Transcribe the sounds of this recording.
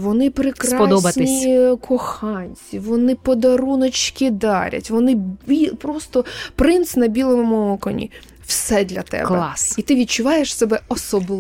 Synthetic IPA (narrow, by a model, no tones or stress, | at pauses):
ʋɔnɪpɾɪkɾɑɔd̪ɔbɐtnnʲikʰɔxɑnʲt͡sʲiʋɔnɪpɔd̪ɐɾunɔt͡ʃkʲɪd̪ɑɾʲɐ̰tʲʋɔnɪipɾɔst̪ɔpɾɪnt̪snɐbʲilˠɔmʊmʊɔkɔ̰nʲḭ | wsɛd̪ʲlʲɐt̪ɛ̰bklɛɑsit̪ɪʋʲid̪̚t͡ʃʊʋɑjeʃsɛbɛɔsɔb̪ˠ